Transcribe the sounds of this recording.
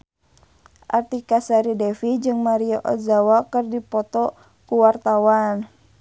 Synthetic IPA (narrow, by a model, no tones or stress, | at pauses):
ʔart̪ikasaɾidɛfid͡ʒɨŋmaɾiɔʔɔ̰zawakɨrdipɔt̪ɔ | kuwart̪awan